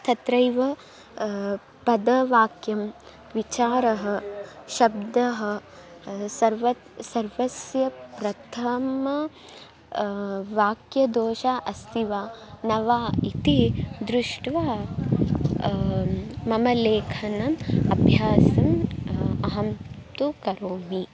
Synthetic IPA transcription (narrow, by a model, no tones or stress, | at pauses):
t̪ʰɐt̪ɾɐjʋɐ | pɐd̪ɐʋaːkjɐm | ʋit͡ʃaːɾɐɦɐ̆ʃɐb̚d̪ɐɦɐ | sɐɾʋɐt̪sɐɾʋɐsjɐpɾɐt̪ʰɐmɐ | ʋaːkjɐd̪oːʃaʔɐst̪ʰiʋaːnɐʋaːit̪id̪ɾuʂʈʋaː | ɐmɐleːkʰɐnɐmɐbʱjaːsɐm | ɐɦɐmt̪ukɐɾoːmi